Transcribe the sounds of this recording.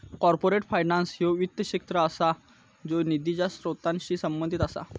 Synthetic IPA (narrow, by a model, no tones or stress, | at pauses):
kɔɾpoɾeʈfajnãnsjoʋit̪ːəɕek̚t̪ɾəasa | d͡zonid̪id͡ʑasɾot̪ãnɕiːsəmbənd̪ʱit̪asa̰